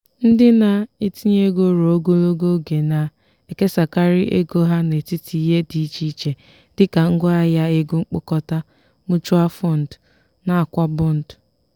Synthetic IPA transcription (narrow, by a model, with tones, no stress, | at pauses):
n̩˦dɪ˦na˦˨i˦ti˦ɲ˦e˦ɡo˦ɾo˨o˦ɡo˦o˦ɡo˦ɡe˨na˨ | e˨ke˦sa˨ka˦ɾi˦ʔḛ˦ɡo˦ɦa˦ne˨ti˦ti˨i˦ɦe˦di˨˦t͡ʃi˦t͡ʃe˨ | dɪ˦ka˨ŋ̩˦ɡɔ˦a˦ja˦e˦ɡu˦ŋ͡m̩˦k͡pʊ˦kɔ˦ta˦ | mu˦t͡ʃu˦a˦fɔ˦˨n̩˨d | na˨a˨kʷa˦bʊ˦n̩˨d